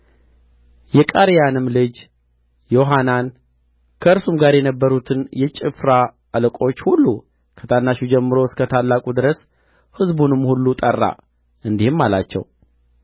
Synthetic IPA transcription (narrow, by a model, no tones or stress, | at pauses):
jɛkʼaɾijanɨmlɨd͡ʒ | jo̞ɦanan | kʰəɨɾsumɡaɾjɛnəbːəɾut̪ʰɨnjɛt͡ʃʼɪfɾa | əlkʼo̞t͡ʃːhulːu | kʰət̪ʰanːaʃud͡ʒɛmːɨɾo̞ɨskʰət̪ʰalːakʼud̪ɨɾəs | hɨzbunɨmhulːut̪ʼərːa̰ | ʔɨnd̪ihɨmːala̰t͡ʃːɛ̰w